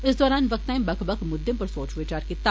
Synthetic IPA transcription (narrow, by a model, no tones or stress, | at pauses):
ɪsd̪ɔːɾaːnʋɐk̚t̪ːaːĩmbɐkbɐkʰmʊd̪ːɪmpɐɾsoːt͡ʃʋet͡ʃaːɾkit̪a